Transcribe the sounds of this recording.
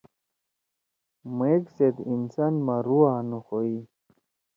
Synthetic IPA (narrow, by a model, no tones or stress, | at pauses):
mekset̪insanmaɾuanuxoi